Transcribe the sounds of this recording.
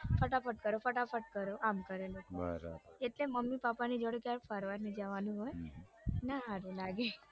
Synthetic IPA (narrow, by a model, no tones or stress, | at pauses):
fʰəʈapʰəʈ̚kəɾofəʈapʰəʈ̚kəɾoʔamkəɾeloba̰ɾa̰eʈleməmːipapanid͡ʒəɽkjaɾfʰaɾʋaɾnid͡ʒəʋanũɦoj | naaɾulaɡe